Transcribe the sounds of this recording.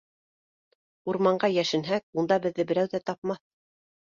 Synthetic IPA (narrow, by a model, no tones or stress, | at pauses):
uɾmɑɴɢɑjæʃɘ̆nɦæk̚und̪ɑbɘ̆ðːɘbɘ̆ɾæwðæt̪ɑpmɑθ